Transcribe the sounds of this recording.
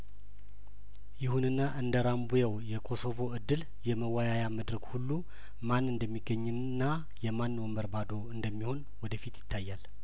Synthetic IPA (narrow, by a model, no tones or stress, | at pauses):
jɪhunɨnːaʔɨnd̪əɾambujawjɛkʰo̞so̞vo̞ɨd̪ːɨl | jɛməwajajaməd̪ɾəɡhulːu | manːɨnd̪əmːiɡːəɲːɨ | nːa | jɛmanːwoməɾbad̪o̞ɨnd̪əmːiho̞n | wɔd̪əfit̪jɪ̥t̪ʰːajːal